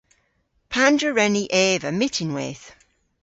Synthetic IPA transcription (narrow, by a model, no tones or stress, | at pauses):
pʰandɹəɹɛniʔɛːvəmɪtʰɪ̃nwɛ̰ːθ